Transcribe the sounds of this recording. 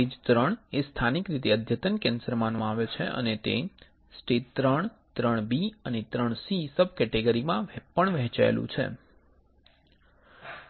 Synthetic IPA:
id͡ʒt̪ɾəɳest̪ʰanikɾit̪eəd̪ʱjət̪ənkɛ̃nsəɾmanmãaʋet͡ʃʰeʔə̰net̪ḛ | sʈeʈt̪ːɾəɳ | t̪ɾəɳ̃biənet̪ɾəɳsisəb̚ʱkɛʈeɡəɾimãʋpəɳʋɛɦt͡ʃa̰ḛlṵ̃t͡ʃʰḛ

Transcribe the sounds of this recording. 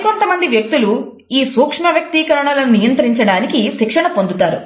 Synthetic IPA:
kont̪ɐmɐnd̪iʋjɐk̚t̪ulu | iːsuːkʂmɐʋjɐk̚t̪iːkɐɾɐɳɐlɐnijɐnt̪ɐɾiɲt͡ʃɐɽaːnikiʃikʂɐɳɐpond̪ut̪aːɾu

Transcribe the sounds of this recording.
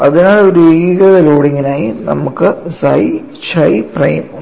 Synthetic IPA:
ɐðinaːɭoɾuiɣɐðɐloːɽiŋːinaːjinɐ̰mukːɨsɐj | t͡ɕɐjprɐ̰jm

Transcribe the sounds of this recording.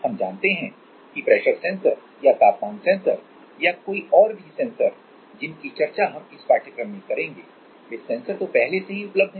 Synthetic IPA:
hɐmd͡ʒaːnt̪eɦɛ̃ | kipɾɛːʃəɾsɛ̃ːnsəɾ | jat̪aːpmãːŋsɛ̃ːnsəɾ | jakoːiʔɔːɾbʱisɛ̃ːnsəɾ | d͡ʒɪnkit͡ʃɐɾt͡ʃaɦɐmɪspaːɾʈɪkəmẽkɐɾẽːŋɡeː | ɪsːɛ̃ːnsəɾt̪opɛɦleseɦiʊpləb̚d̪ʱɦ

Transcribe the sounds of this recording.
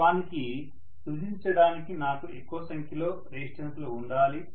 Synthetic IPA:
ʋaːniki | sud͡ʒiɲt͡ʃɐɽaːnikinaːkuʔekːuʋɐsɐŋkʰjɐlo̞ːɾeːsʈɐnsloːuɳɖaːli

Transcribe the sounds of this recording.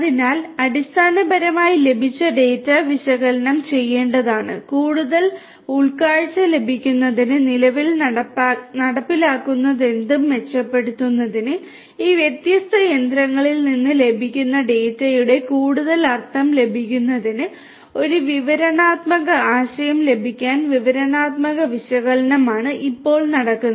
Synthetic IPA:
ɐðinaːlɐɾist̪ʰaːnɐbɐɾɐmaːjile̞bʱit͡ɕːɐɖe̞ːtːɐʋiɕɐɣɐlɐnɐmt͡ɕe̞jːe̞ːɳɖɐðaːɳɨ̰kuːɽuðɐl | uɭkaːɻt͡ɕːɐle̞bʱikʲːunːɐðinɨnilɐʋil | nɐɽɐpːilaːkːunːɐðe̞nd̪umʋe̞t͡ɕːɐpːe̞ɽut̪ːunːɐðinɨ | iːʋjet̪jɐst̪ʰɐjend̪ɾɐŋːɐɭilninːɨle̞bʱikʲːunːɐɖe̞ːtːɐjuɽe̞kuːɽuðɐlɐrt̪ʰːɐmle̞bʱikʲːunːɐðinɨ | o̞ɾuʋiʋɐɾɐnaːt̪mɐɣɐaːɕɐjɐmle̞bʱikʲːaːnʋiʋɐɾɐnaːt̪mɐɣɐʋiɕɐɣɐlɐnɐmaːɳɨʔipːo̞ːɭnɐɽɐkːunːɐ

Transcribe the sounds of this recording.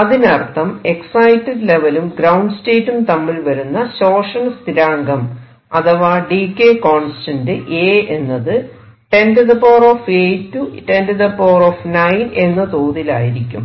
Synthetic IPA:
ɐðinɐrt̪ʰːɐme̞ksɐjtːɨɖle̞ʋɐlumɡɾɐwɳɖɨste̞ːtːumt̪ɐmːilʋɐɾunːɐɕo̞ːʂɐɳɐst̪iɾaːŋɡɐm | ɐ̰t̪ʰɐʋaːɖikːeːkoːɳsi̥tɐndɨʔeːenːɐðɨ | ʈe̞ndɨðɐpoːroːfeːtːuʈe̞ndɨðɐpoːroːfnɐjne̞nːɐt̪oːðila̰ːjiɾikʲːum

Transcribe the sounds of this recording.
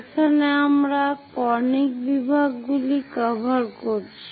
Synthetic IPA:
kʰaneamɾakɔnikbibʱaɡɡulikəbʱaɾkoɾt͡ɕʰi̥

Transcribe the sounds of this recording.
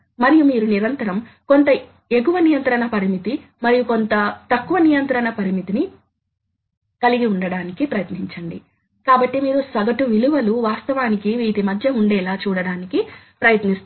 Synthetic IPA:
mɐɾijumiːɾuniɾɐnt̪ɐɾɐmko̞nt̪ɐ | eɡuʋɐnijɐnt̪ɐɾɐɳɐpɐɾimit̪i | mɐɾijuko̞nt̪ɐt̪ɐkːuʋɐnijɐnt̪ɾɐɳɐpɐɾimit̪ini | kɐliɡiuɳɖɐɽaːnikipɾɐjɐt̪niɲt͡ʃɐɳɖi | kaːbɐʈːimiːɾusɐɡɐʈuʋiluʋɐluʋaːst̪ɐʋaːnikiʋiːt̪imɐd̪ʱjɐuɳɖɛːlaːt͡ʃuːɽɐɽaːniki | pɾɐjɐt̪nist̪

